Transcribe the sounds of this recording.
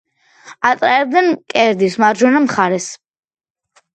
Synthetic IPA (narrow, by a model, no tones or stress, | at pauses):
at̪sʼaɾɛbd̪ɛnkʼɛɾd̪ismaɾd͡ʒɔnamχaɾɛs